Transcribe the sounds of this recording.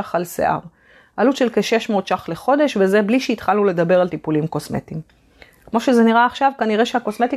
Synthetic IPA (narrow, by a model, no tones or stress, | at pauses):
aχalsḛʔa̰ʁ | ʔalut̪ʃe̞lkeʃe̞ʃmo̞ːt̪ʃaχleχo̞d̪e̞ʃveze̞bliʃeit̪χalnule̞d̪abe̞ʁalt̪ipulimko̞sme̞̰t̪im | kmo̞ʃe̞zeniʁaːχʃavkaniʁe̞ʃeako̞sme̞t̪i